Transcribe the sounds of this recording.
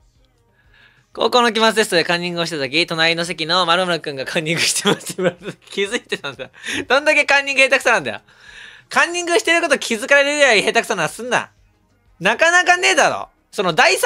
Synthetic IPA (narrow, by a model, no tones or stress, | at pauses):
ko̰ːko̞ːnok̬ʲimasɨd̪e̞sɨ̥t̪d̪ekãɲ̟ːĩŋɡɯoɕi̥t̪at̪o̞k̬ʲit̪o̞naɾʲino̞s̬e̞kʲino̞maɾɯmɯɾakɯ̟̃ŋɡakʰãɲ̟ːĩŋɡɯ̟ɕi̥t̪emast̪masɨkʲizɨit̪e̞t̪ãnd̪ad̪̥õ̞nd̪ake̞kãɲ̟ːĩŋɡɯhe̞ːt̪akɯ̟̥sanãnd̪a̰jo̰ | kãɲ̟ːĩŋɡɯɕi̥t̪e̞ɾɯ̟ko̞t̪o̞kʲʰizɨkaɾeɾeɾejoihe̞ːt̪aksanoasɨ̃nːa̰ | nakanakane̞ːd̪aɾo̰ː | so̞no̞d̪ais